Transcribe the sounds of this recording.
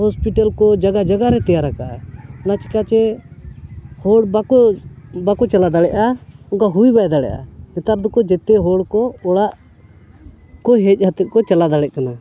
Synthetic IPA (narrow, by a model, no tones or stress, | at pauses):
ɦɔspiʈalkɔd͡ʒaɡad͡ʒaɡaɾɛt̪ɛjaɾakaʔɛɔnat͡ʃɛ̥kat͡ʃɛ | hɔɽbakɔbakɔt͡ʃalad̪aɽɛʔauŋkaɦujbajd̪aɽɛ̰ʔa̰nɛt̪aɾd̪ɔkɔd͡ʒɛt̪ɛɦɔɽkɔɔɽaʔ | kɔɦɛc̚ˀhat̪ɛʔ̪̚kɔt͡ʃalad̪aɽɛʔ̚kana